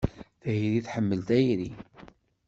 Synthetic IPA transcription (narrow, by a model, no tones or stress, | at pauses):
θhiɾiθħəmːəlt̪æjɾi